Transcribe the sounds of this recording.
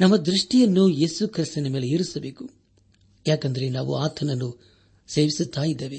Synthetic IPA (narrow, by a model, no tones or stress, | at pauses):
nɐmːɐd̪ɾuʂʈijɐnːuje̞ːsukʰɾist̪ɐnɐmeːleeːɾusɐbe̞ːku̥ | jaːkɐnd̪ɐɾe̞naːʋṵaːt̪ʰɐnɐnːu | seːʋisut̪ːaːjid̪ːeːʋe